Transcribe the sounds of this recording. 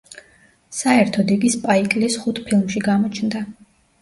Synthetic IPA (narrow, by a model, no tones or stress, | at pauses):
saɛɾt̪ʰɔd̪ikʼispʼaikʼlisχut̪ʰpʰilˠmʃiɡamɔt͡ʃʰnd̪a